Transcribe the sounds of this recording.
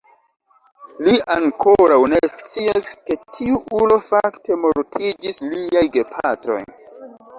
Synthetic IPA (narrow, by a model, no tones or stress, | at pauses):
liaŋkʰoɾawne̞st͡siaske̞tʰiuʔulo̞faktʰe̞mo̞ɾtʰid͡ʒisliajɡe̞pʰatɾo̞̰j